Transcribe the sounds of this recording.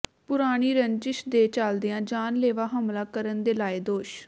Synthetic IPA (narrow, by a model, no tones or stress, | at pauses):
pʊɾaːɽ̃iːɾəɲt͡ʃɪʃd̪eːt͡ʃaːld̪ijãːd͡ʒaːnleːʋaːɦəmlaːkəɾənd̪eːlaːeːd̪oːʃ